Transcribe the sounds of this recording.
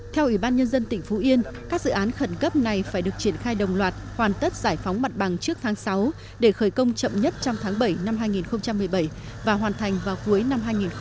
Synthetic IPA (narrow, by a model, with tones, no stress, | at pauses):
t̪ʰɛ˧wʔi˧˩ɓaː˧nɲə˧nzə˧nt̪ï˧˩ŋ̟fu˨˦ʔi˧ənkaː˦˥k̚z̥ɨ̰˧˨ʔaː˨˦nxə˧˩nkə˦˥p̚na˨˩jfaː˧˩jɗɨ˨˩ək̚t͡ɕi˧˩ənxaː˧jɗə˨˩wŋ͡mlwaː˨˩t̚hwaː˨˩nt̪ə˦˥t̚z̥aː˧˩jfɔ˨˦wŋ͡mma˨˩t̚ɓa˨˩ŋt͡ɕɨ˦˥ək̚t̪ʰaː˨˦ŋsa˨˦w | ɗe˧˩xəː˧˩jkə˧wŋ͡mt͡ɕə̰˧˨mɲə˦˥t̚t͡ɕɔ˧wŋ͡mt̪ʰaː˨˦ŋɓə˧˩jna˧mɦaː˧jŋi˨˩nxə˧wŋ͡mt͡ɕa˧mːɨ˨˩əjɓə˧˩j | vaː˨˩ɦwaː˨˩nt̪ʰa˨˩jŋ̟vaː˨˩wku˨˦əjna˧mɦaː˧jŋi˨˩n